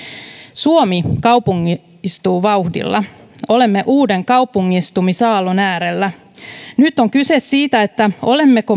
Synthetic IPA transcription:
suomikɑwpuŋːi | ist̪uːʋɑuhdḭlːɑ̰ | o̞le̞mːeʔuːde̞ŋkɑwpuŋːist̪umisɑːlonæːɾelːæ | nyt̪ːo̞ŋkysesːiːt̪æet̪ːæo̞le̞mːeko

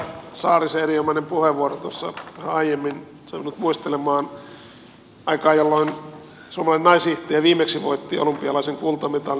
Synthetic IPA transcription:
sɑːriseeriomɑinempuheʋʋuorot̪uosːɑ̰ʋhæɑijemːin | t̪oʋinut̪muist̪elemɑːn | ɑikɑːjolːoin | suomɑlɑinenɑisiht̪eːʋiːmeksiʋo̰it̪ːiːo̰lumpiɑlɑiseŋkult̪ɑmit̪ɑl

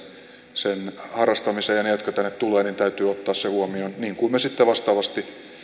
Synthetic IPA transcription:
senhɑrɑst̪ɑmisejɑnejot̪kɑt̪ænːet̪t̪uleːnint̪æyt̪yːot̪ːɑːssehuomionniːŋkuimmesit̪ːeʋɑst̪ɑːʋɑst̪i

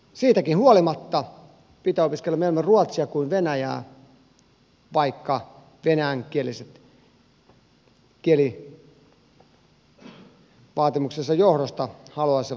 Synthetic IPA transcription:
siːt̪ækinhuolimɑt̪ːɑ | pit̪æopiskelːɑmelemeruɑt̪siɑkuinʋenæjæ̰ː | ʋɑikːɑ | ʋenææŋkieliset̪ | kieli | ʋɑːt̪imuksesːɑjohɾost̪ɑhɑluɑse

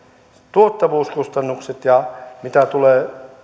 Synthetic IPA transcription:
t̪uot̪ːɑʋuːskust̪ɑnːukset̪jɑmit̪æt̪uleː

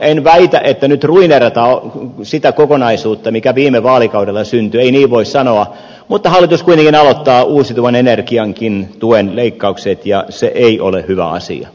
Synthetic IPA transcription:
enʋæit̪æʔet̪ːænyt̪ruinerɑt̪ɑːsit̪ækokonɑisuːt̪ːɑmikæʋiːmeʋɑːlikɑudelːɑsynt̪yeiniːʋʋoissɑnoɑ | mut̪ːɑhɑlːˑit̪uskuit̪eŋkinɑlot̪ːɑːuːsit̪uʋɑnenerkiɑŋkint̪uenleikːɑukset̪jɑseʔeiʔolehyʋæ̰ɑ̰sḭɑ̰

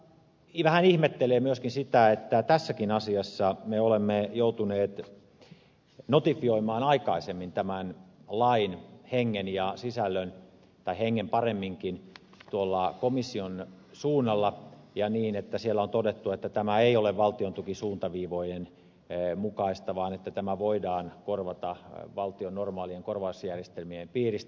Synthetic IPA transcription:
ʋæhænihmet̪ːeleːmyøskinsit̪æet̪ːæt̪æsːækinɑsiɑsːɑmeolemːejout̪uneːt̪ | not̪ifioimɑːnɑikɑisemːint̪æmænlɑinheŋːenjɑsisælːøn | t̪ɑiheŋːempɑremːiŋkin | t̪uolːɑkomisːionsuːnːɑlːɑjɑniːnet̪ːæsielːæont̪odet̪ːuet̪ːæt̪æmæeioleʋʋɑlt̪iont̪ukisuːnt̪ɑʋiːʋoijen | mukɑist̪ɑʋɑːnet̪ːæt̪æmæʋoidɑːnkorʋɑt̪ɑʋɑlt̪ionːormɑːlieŋkorʋɑusjærjest̪elmiempiːrist̪

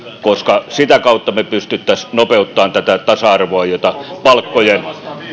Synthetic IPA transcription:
koskɑsit̪ækɑut̪ːɑmepyst̪yt̪ːæsnopeut̪ːɑːnt̪æt̪æt̪ɑsɑɑrʋoɑjot̪ɑpɑlkːojen

